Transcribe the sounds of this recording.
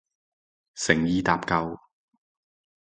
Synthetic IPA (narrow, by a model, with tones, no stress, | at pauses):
sɪ˨˩ŋjiː˧t̪aː˨p̚kɐ˨˧w